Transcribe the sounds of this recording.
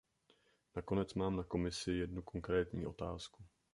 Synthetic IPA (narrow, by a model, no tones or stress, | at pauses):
nako̞nɛt͡smaːmnako̞mɪsɪjɛdnukʰo̞ŋkɾɛːt̪ɲiːʔo̞̰t̪aːsku